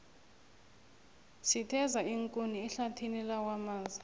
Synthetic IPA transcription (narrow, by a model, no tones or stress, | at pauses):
sitʰɛzaiŋkʼuniɛɬatʰinilawamaːzi